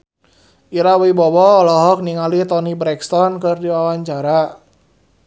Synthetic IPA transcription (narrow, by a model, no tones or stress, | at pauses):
ʔiɾawibɔwɔɔlɔɦɔk̚niŋalit̪ɔnibɾɛkst̪ɔnkɨrdiwawaɲt͡ʃaɾa